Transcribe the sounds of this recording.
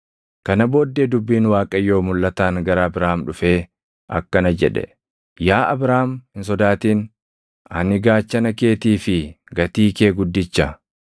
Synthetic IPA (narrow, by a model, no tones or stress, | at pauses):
kɐnɐbo̞ːd̪ːeːd̪ʊbːiːnwaːkʼɐjːo̞ːmʊlːɐt̪aːŋɡɐɾɐːbɾaːmᶑʊfe̞ː | ʔɐ̰kːɐnɐd͡ʒɛᶑɛ̰ | jaːʔɐbɾaːmhɪns̬ɔd̪aːt̪iːn | ɐ̰nɪɡaːt͡ʃːɐnɐke̞ːt̪iːfɪ | ɡɐt̪iːke̞ːɡʊd̪ːɪt͡ʃːɐ